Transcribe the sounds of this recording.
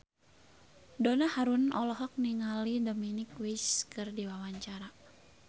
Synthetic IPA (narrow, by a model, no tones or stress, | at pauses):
donahaɾunɔlɔɦɔk̚niŋalidominɪkwiskɨrdiwawaɲt͡ʃaɾa